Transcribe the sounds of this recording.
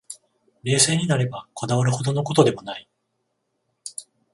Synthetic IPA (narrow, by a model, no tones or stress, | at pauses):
ɾe̞ːse̞ːɲ̟inaɾe̞bako̞d̪aβaɾɯ̟ho̞d̪o̞no̞ko̞t̪o̞d̪e̞mo̞nai